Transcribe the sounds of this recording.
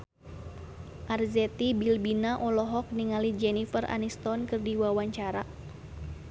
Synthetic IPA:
ʔarzɛt̪ibilbinaʔɔlɔɦɔk̚niŋalid͡ʒɛnifərʔa̰nist̪ɔnkɨrdiwawaɲt͡ʃaɾa

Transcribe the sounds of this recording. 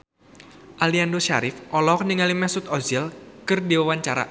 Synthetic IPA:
ʔaliandoʃaɾɪfʔɔlɔkniŋalimɛsut̪̚ɔzɛlkɨrdiwawaɲt͡ʃaɾa̰ʔ

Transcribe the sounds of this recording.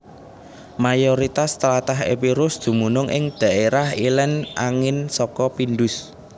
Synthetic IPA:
majɔɾit̪ast̪əlat̪aɦḛpiɾʊsd̪̥ṳmunʊŋʔɪ̰ŋd̪̥a̤ʔeɾahilɛnʔaŋɪnsɔkɔpinɖʊs

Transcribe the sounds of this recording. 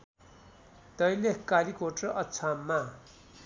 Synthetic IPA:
t̪ʌjlehkalikoʈrʌʌt͡sʰamːa

